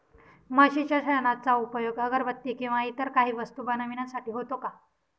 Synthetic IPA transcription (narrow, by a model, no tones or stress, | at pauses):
məɕit͡ɕjaɕəɭnat͡saupəjoɡəɡəɾbət̪ːiːkĩw̃ʋaɦit̪əɾkaɦiːʋəst̪ubanaʋinasaʈiːɦot̪oka